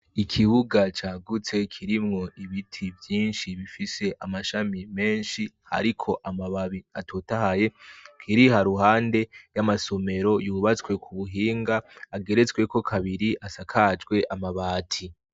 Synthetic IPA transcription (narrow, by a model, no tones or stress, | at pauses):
ikʰiβuɡat͡ʃaːɡut͡se̞kʰiɾimŋo̞ʔiβitʰivjiːnʃiβifise̞ʔamaʃamime̞ːnʃiha̰ɾikʰo̞ʔamaβaβiatʰoːtahajekʰiɾihaɾuɦaːnde̞jamaso̞me̞ɾo̞juːβat͡swe̞kʰuβuɦiːŋɡaːɡe̞ɾe̞t͡swe̞ko̞kʰaβiɾiʔasakʰad͡ʒɡwe̞ʔamaβaːtʰi